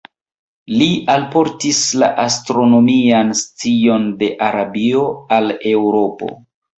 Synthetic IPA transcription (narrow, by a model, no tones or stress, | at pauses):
lialpo̞ɾtisla̰ʔastɾo̞no̞mianst͡sio̞nde̞ʔaɾabio̞ale̞wɾo̞po̞̰